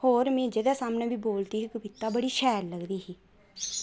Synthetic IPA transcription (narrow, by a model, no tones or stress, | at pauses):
hoːɾmẽːd͡ʒed̪ɛːsaːmnẽːbiːboːlt̪iːɦikəbɪt̪ːaːbəɽiːʃɛːɾləɡd̪iːɦiː